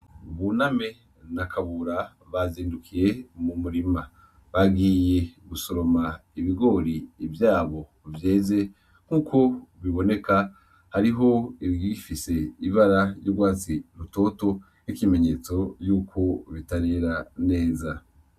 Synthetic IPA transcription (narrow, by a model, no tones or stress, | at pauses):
βuname̞ | nakʰaβuɾa | βaziːndukʰiɾe̞mumuɾima | βaɡije̞ɡusoɾo̞maiβiɡo̞ːɾiːvjaːβo̞ | vjeːze̞ | ŋ̥huːkʰo̞βiβo̞ne̞ka | haɾiɦo̞iɾɡifise̞iβaɾajoɡwaːt͡siɾuto̞ːto̞ | nikime̞ɲe̞ːt͡so̞juːkʰo̞βitaɾeɾane̞ːza